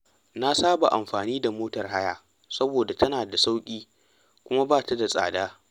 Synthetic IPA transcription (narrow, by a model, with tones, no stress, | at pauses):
na˦saː˦ba˨ʔa̰˨mɸaː˨niː˦da˨moː˦tɐ˨rɦa˦jaː˨ | sɐ˦boː˨da˨tɐ˦naː˨da˨sa˦wkʲʼiː˦ | kʷʊ˦ma˦baː˦˨ta˦da˨sʼa̰ː˨daː˦